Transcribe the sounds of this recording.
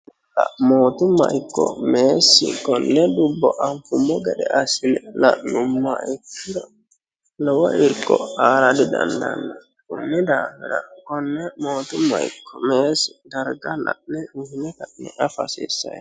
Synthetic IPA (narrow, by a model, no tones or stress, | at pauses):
kamotumaikːɔmesiɡɔnːɛdubːɔʔamfumɔɡɛɗɛʔasilɛlanumːakiɾa | lawaʔiɾkɔaɾadidandanːa | ɡɔnːidamɛɾaɡ̥ɔnːɛmotumaḭkʰːɔmesi̥daɾɡala̰nɛuhinɛkanɛʔafasisa̰j